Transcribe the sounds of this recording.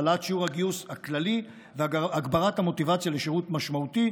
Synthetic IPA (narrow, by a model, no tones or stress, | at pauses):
latʃiuʁhaɡiushaklali | veaɡbaʁathamo̞tivat͡sjaleʃiʁutmaʃmauti